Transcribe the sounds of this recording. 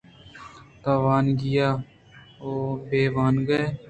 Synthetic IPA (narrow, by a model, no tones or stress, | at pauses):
t̪aːʋaːnɡɪjaː | oːbeːʋaːnɡəeː